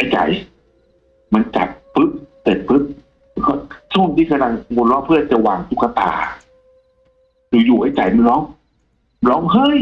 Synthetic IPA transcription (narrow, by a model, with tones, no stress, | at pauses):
ʔa˧˩jt͡ɕa̰˨˩˦j | ma˧nt͡ɕa̰˨˩t̪̚pɯ˦˥p̚te˨˩t̪̚pʰɯ˦˥p̚ː | kʰɔ˧˩sʰu˥˩˨mt̪ʰiː˧˩˨kʰa˧la˧ŋmo˧nlɔː˦˧˥ŋpʰɯː˥˩˨nt͡ɕa˨˩waː˨˩ŋt̪u˧˥˩kːa˧t̪a̰ː˨˩ | duː˨˦juː˨˩ʔa˧˩jt͡ɕa˨˩jmu˧nlɔː˦˥ŋ˧ | lɔː˦˥ŋɦɤ˧˥˨j